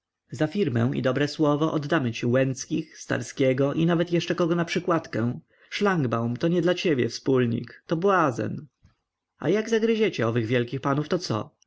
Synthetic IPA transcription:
zafʲiɾmɛ̰w̃ʔḭd̪ɔbɾɛswɔvɔʔɔd̪ːamɘt͡ɕiwɛnt̪skʲixst̪a̰ɾskʲɛɡɔʔinavɛt̪jɛʂt͡ʂɛkɔɡɔnapʂɘkwat̪kɛ̃w̃ | ʂlaŋɡbawmt̪ɔɲɛd̪lat͡ɕebʲjɛ̰fspulɲḭkt̪ɔbwazɛ̰n | a̰jaɡzaɡɾɘd͡ʑɛt͡ɕɛɔvɘɣvʲjɛlkʲixpanuft̪ɔt̪sɔ̰

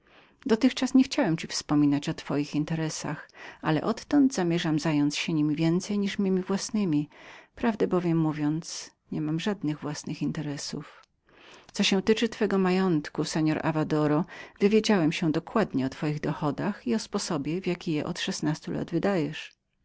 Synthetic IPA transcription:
d̪ɔt̪ɘxt͡ʂasɲɛxt͡ɕawɛmt͡ɕifspɔmʲinat͡ɕɔt̪fɔjixint̪ɛɾɛsa̰xalɛ̰ʔɔt̪ːɔnd̪zamʲjɛʐamzajɔnt̪sɕɛɲimʲivʲjɛnt̪sɛjɲiʂmʲimʲivwasnɘmʲipɾavd̪ɛbɔvʲjɛmːuvʲjɔnt̪s | ɲɛmamʐad̪nɘɣvwasnɨxint̪ɛɾɛsṵf | t̪sɔɕɛ̃t̪ɘt͡ʂɘt̪fɛɡɔmajɔnt̪kusɛɲɔɾʔa̰vad̪ɔɾɔvɘvʲjed͡ʑawɛmɕɛ̃d̪ɔkwad̪ɲɛɔt̪fɔjiɣd̪ɔxɔd̪axiɔspɔsɔbʲjɛvʲjakʲijɛ̰ʔɔt̪ʂɛsnast̪ulʔa̰d̪vɘd̪ajɛʂ

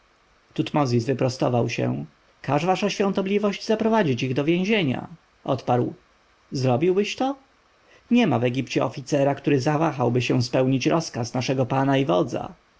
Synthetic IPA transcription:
t̪ut̪mɔzʲizvɘpɾɔst̪ɔvawɕɛ̰̃ | kaʐvaʂaɕfʲjɔ̃nt̪ɔblʲivɔʑd͡ʑzapɾɔvad͡ʑit͡ɕiɣd̪ɔvʲjẽʑeɲa̰ | ʔɔt̪paɾw | zɾɔbʲiwbɘɕt̪ɔ | ɲɛmavɛɡʲipt͡ɕɛɔfʲit̪sɛɾakt̪uɾɘzavaxawbɘɕɛ̃w̃spɛwɲit͡ɕɾʔɔskasnaʂɛɡɔpanaivɔd̪za̰

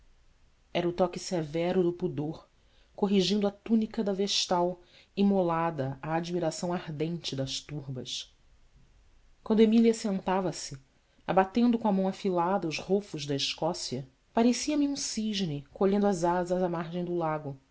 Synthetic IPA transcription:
ɛɾɐʊt̪ɔkɪsevɛɾʊd̪ʊpud̪oɾ | koɦiʒĩnd̪ʊat̪unikɐd̪ɐveʃt̪aw | imolad̪ɐaːd͡ʒimiɾasɐ̃w̃aɾd̪ẽnt͡ʃɪd̪ɐʃt̪uɾbɐ̰s | kwɐ̃nd̪ʊemiliɐsẽnt̪avɐsɪ | abat̪ẽnd̪ʊkõamɐ̃w̃afilad̪ɐʊzhofʊʒd̪ɐiʃkɔsiɐ | paɾesiɐmiũsiʒnɪkoʎẽnd̪ɐzazɐzamaɾʒẽj̃d̪ʊlaɡʊ

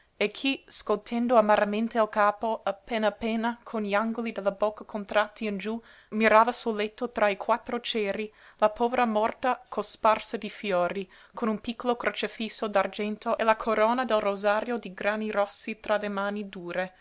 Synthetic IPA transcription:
ekʰiskolt̪ʰend̪oamaɾament̪ealkaːpoapeːnaapːeːnakʰonʎiaŋɡolid̪elːabɔkʰːakʰont̪ɾat̪ʰːiind͡ʒu | miɾaːvasulːet̪ʰːot̪ɾaikʰwat̪ːɾot͡ʃɛːɾilapʰɔːveɾamɔrt̪akʰosparsad̪ifjoːɾi | kʰonumpikʰːolokɾʔot͡ʃefisːod̪ard͡ʒɛnt̪oelakʰoɾoːnad̪elrozaːɾjod̪iɡɾaːnirɔsːit̪ɾalemaːnid̪uːɾe

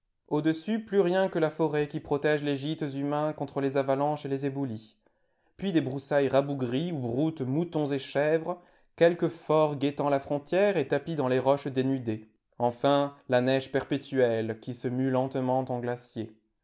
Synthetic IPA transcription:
od̪əsyplyʁjɛ̃kəlafɔʁɛkʲipχɔt̪ɛʒleʒit̪zymɛ̃kɔ̃t̪χəlezavalɑ̃ʃelezebuli | pɥid̪ebʁusajʁabuɡʁiuʁut̪mut̪ɔ̃zeʃɛvʁə | kʲɛlkəfɔʁɡʲet̪ɑ̃lafχɔ̃t̪jɛʁet̪apid̪ɑ̃leʁɔʃd̪enyd̪e | ɑ̃fɛ̃lanɛʒpɛʁpet̪yɛlkʲisəmylɑ̃t̪mɑ̃t̪ɑ̃ɡlasje

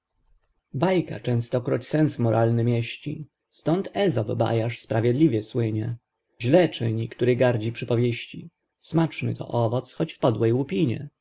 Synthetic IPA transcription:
bajka̰t͡ʂɛ̃ñst̪ɔkɾut͡ɕsɛnsmɔɾʔalnɘmʲjɛɕt͡ɕḭ | st̪ɔnt̪ɛzɔbba̰jaʂspɾavʲjɛd̪lʲivʲjɛswɘɲɛ | ʑlɛt͡ʂɘɲikt̪uɾɘɡaɾd͡ʑipʂɘpɔvʲjeɕt͡ɕḭ | smat͡ʂnɘ̰t̪ɔ̰ʔɔvɔt̪sxɔt͡ɕfpɔd̪wɛjwupʲiɲɛ̰

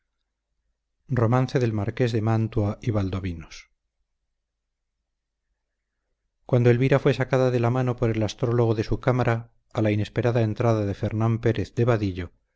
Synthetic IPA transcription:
ro̞manθe̞ðe̞lmaɾke̞zðe̞mant̪waiβald̪o̞βinos | kwand̪oe̞lβiɾafwe̞sakaðaðe̞lamano̞po̞ɾe̞last̪ɾo̞lo̞ɣ̞oðe̞sukamaɾʔaː | laine̞spe̞ɾaðae̞nt̪ɾaðaðe̞fe̞ɾnampe̞ɾʔe̞θd̪e̞βaðiʎo̞

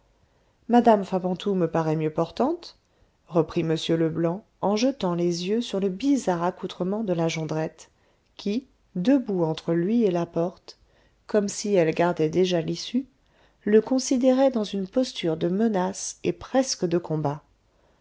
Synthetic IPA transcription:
mad̪amfabɑ̃t̪ʰuməpaʁɛmjøpɔʁt̪ɑ̃t̪ | ʁəpχiməsjøləblɑ̃ | ɑ̃ʒət̪ɑ̃lezjøsyʁləbizaʁakut̪χəmɑ̃d̪əlaʒɑ̃d̪ʁɛt̪ | kʲʰi | d̪əbuɑ̃t̪χəlɥielapɔʁt̪ | kɔmsiɛlɡaʁd̪ɛd̪eʒalisy | ləkɔ̃sid̪eʁɛd̪ɑ̃zynpɔst̪yʁd̪əmənasepχɛskəd̪əkɔ̃ba

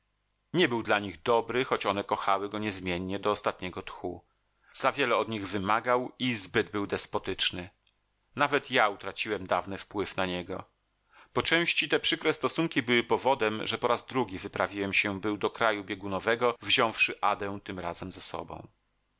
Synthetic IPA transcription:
ɲɛbɘwd̪laɲiɣd̪ɔbɾɘxɔt͡ɕɔnɛkɔxawɘɡɔɲɛzmʲjɛɲːɛd̪ɔːst̪at̪ɲɛɡɔt̪xu | z̥avʲjɛlɛɔd̪ɲiɣvɘmaɡawizbɘd̪̚bɘwd̪ɛspɔt̪ɘt͡ʂnɘ | navɛt̪jaut̪ɾat͡ɕiwɛmd̪avnɘfpwɘfnaɲɛɡɔ̰ | pɔt͡ʂɛ̃w̃ɕt͡ɕit̪ɛpʂɘkɾɛst̪ɔsuŋkʲibɘwɘpɔvɔd̪ɛmʐɛpɔɾazd̪ɾuɡʲivɘpɾavʲiwɛmɕɛbɘwd̪ɔkɾajubʲjeɛɡunɔvɛɡɔvʑɔ̃w̃fʂɘʔad̪ɛ̃w̃t̪ɘmɾazɛmzɛsɔ̰bɔ̰̃w̃

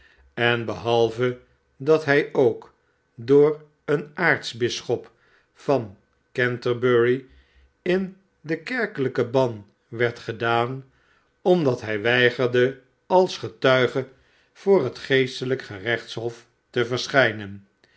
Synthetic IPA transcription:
ɛnbəɦɑlˠvə | dɑtɦɛjowk | dʊːɹ | ənaːɹtsbɪsχɔp | fɑn | kɛntəbøɹi | ɪn | dəkɛɹkələkəbɑn | ʋɛɹtχədaːn | ɔmdɑtɦɛjʋɛjχəɹdə | ɑlˠsχətœɥχə | v̥ʊːrɦətχejstələkχərɛχtsɦɔf | təvəɹsχɛjnən

